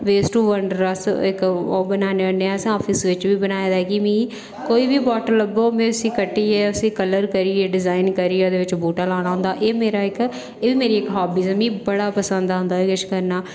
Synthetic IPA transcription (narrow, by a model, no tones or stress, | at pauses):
ʋeːsʈuːʋəɳɖəɾəsɪ̰kobənaːneːəneaːəsãɔːpʰɪsʋɪt͡ʃʋiːbənaːed̪aːɛːkimĩː | koːiːbiːbɔːʈələboːmɛ̃ːəsĩːkəʈːiːɛːəsĩːkələɾkəɾiːɛːɖɪzaːinkəɾiːoːd̪eːʋɪt͡ʃbuːʈaːlaːɽ̃aːɦʊ̃nd̪aːʔeːmeːɾaːɪk | eːʋiːmeːɾiːɪkɦaːbiːsɛːmĩːbəɽaːpəsə̃nd̪aɦʊ̃nd̪aːɛkɪʃkəɾnaː